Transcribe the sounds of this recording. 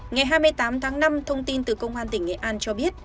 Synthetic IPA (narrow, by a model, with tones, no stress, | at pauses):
ŋa˨˩jɦaː˧jmɨ˧əjt̪aː˨˦mt̪ʰaː˨˦ŋna˧mt̪ʰə˧wŋ͡mt̪i˧nt̪ɨ˨˩kə˧wŋ͡mʔwaː˧nt̪ï˧˩ŋ̟ḛ˧˨ʔaː˧nt͡ɕɔ˧ɓi˦˥ət̚